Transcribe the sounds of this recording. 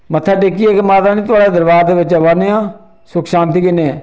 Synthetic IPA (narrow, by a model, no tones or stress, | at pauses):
mət̪ʰːaːʈeːkiɛːkemaːt̪aːnĩːt̪ʊaːɽaːd̪əɾbaːd̪eːʋɪt͡ʃaːʋaneãː | sʊkʰʃãːnt̪iːkɪneː